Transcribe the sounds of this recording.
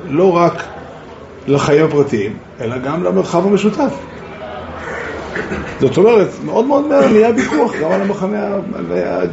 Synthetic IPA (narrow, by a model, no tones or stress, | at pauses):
lo̞ʁak | laχajimhapʁat̪iimʔe̞laɡamlame̞ʁχavhameʃut̪af | zo̞t̪o̞me̞ʁet̪me̞o̞d̪meo̞d̪meamijabikuaχɡamalamaχanea̰lea̰